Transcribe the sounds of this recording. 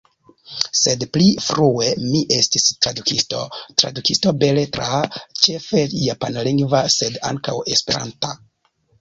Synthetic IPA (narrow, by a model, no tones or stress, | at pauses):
se̞dplifɾue̞miʔe̞stistɾadukʰisto̞tɾa̰dukisto̞be̞le̞tɾat͡ʃe̞fe̞japanliŋɡvase̞da̰ŋkawe̞spe̞ɾa̰nta